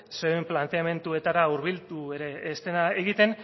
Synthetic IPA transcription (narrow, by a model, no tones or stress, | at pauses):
seemplant̪e̞ame̞nt̪ue̞t̪aɾauɾβilt̪ue̞ɾe̞ːst̪e̞naeɣit̪e̞n